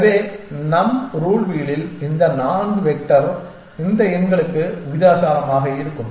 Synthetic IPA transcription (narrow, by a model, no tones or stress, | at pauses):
ɐʋeːnɐmɾuːɭʋiːɭɪlɪnd̪ɐnaːɳɯʋɛʈːɐɾ | ɪnd̪ɐɪnɡɐɭɯkːɯʋʊɪðaːsaːɾɐmaːɣɐɪɾɯkːɯm